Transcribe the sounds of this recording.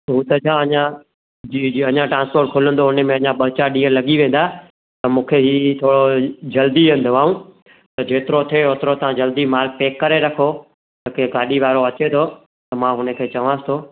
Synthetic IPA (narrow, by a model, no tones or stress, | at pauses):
ɦuːt̪ɐt͡ɕʰãɐɲã | iɐɲãʈɾãːnspoːɾʈ̚kʰʊlə̃nd̪oɦʊnə̆mẽɐɲãɓɐt͡ɕaɗiːəlɐɠiʋẽːn̆d̪aː | t̪ɐmũːkʰeɦiːt̪ʰoːɽod͡ʑɐld̪iẽn̆d̪oaːũ | t̪ɐd͡ʑeːt̪ɪɾot̪ʰieɦoːt̪ɪɾot̪ãd͡ʑɐld̪imaːl̚peːkːɐɾeɾɐkʰo | t̪ɐkẽɡaːɗiʋaːɾoɐt͡ɕet̪ʰo | t̪ɐmãːɦʊnə̆kʰeːt͡ɕɐʋãːsɪ̥t̪ʰoː